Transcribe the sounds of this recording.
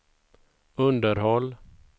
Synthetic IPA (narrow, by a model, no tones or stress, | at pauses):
ɵnd̪əɾhɔlː